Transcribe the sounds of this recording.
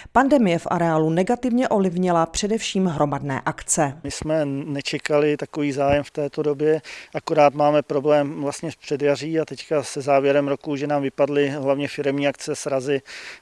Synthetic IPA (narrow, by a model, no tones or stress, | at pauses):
pandɛmɪjɛfʔa̰ɾɛaːlunɛɡat̪ɪvɲɛʔo̞vlɪvɲɪlapr̝̥ɛdɛfʃiːmɦɾo̞madnɛ̰ːʔakt͡sɛmɪsmɛnɛt͡ʃɛkalɪt̪akoviːzaːjɛmft̪ɛːt̪odobjɛʔakoɾaːt̪maːmɛpɾoblɛːmvlast̪ɲɛspr̥ɛdjar̝iːat̪ɛckasɛzaːvjɛɾɛmɾokuʒɛnaːmvɪpadlɪɦlavɲɛfɪɾɛmɲiːakt͡sɛsɾazɪ